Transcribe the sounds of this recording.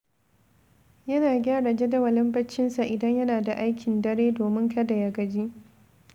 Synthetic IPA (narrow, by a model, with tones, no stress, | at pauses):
jɐ˦naː˨ɡʲaː˦ɽa˨d͡ʒe˦dɐ˦wɐ˨lɐ˦mbɐ˦t͡ʃːɪ˦nsa˨ʔɪ˨dɐ˦ɲjɐ˦naː˨da˨ʔa˦jkʲɪ˨ndɐ˦ɽeː˦doː˨mɪ˦ŋkɐ˦da˨jɐ˨ɡɐ˨d͡ʒi˦ʔ